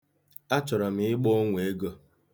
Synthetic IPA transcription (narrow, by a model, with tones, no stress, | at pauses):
a˦t͡ʃɔ˨ɾɔ˨m̩˨ɪ˦ɡ͡bo˦ŋʷe˨˦ɡo˦